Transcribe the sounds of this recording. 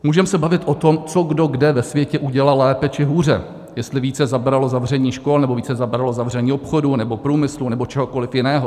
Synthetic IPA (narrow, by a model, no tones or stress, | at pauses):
muːʒɛmsɛbavɪt̪ʔo̞t̪o̞mt͡soɡdo̞ɡdɛvɛsvjɛcɛʔuɟɛlalɛːpɛt͡ʃɪɦuːrɛ̰ | jɛst̪lɪviːt͡sɛzabɾalo̞zavr̝ɛɲiːʃko̞lnɛbo̞viːt͡sɛzabɾalozavr̝ɛɲiːopxo̞dunɛbo̞pɾuːmɪslunɛbo̞t͡ʃɛɦo̞ko̞lɪfjɪnɛːɦo